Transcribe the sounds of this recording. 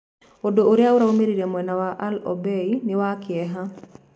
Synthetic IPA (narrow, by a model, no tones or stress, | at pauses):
odooɾjauɾaomeɾiɾemwɛnawaʔalɔbeinɪwakɪɛɦa